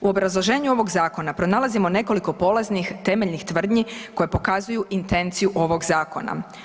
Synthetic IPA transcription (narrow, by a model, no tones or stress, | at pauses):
uo̞bɾazlˠo̞ʒe̞ːɲuo̞ʋo̞ɡzaːko̞napɾo̞nalˠazimone̞ko̞liko̞po̞laznixt̪e̞meʎnixt̪ʋr̩d̪ɲiko̞jepo̞kazujuʔint̪e̞nt̪sijuʔo̞ʋo̞ɡzaːko̞̰na̰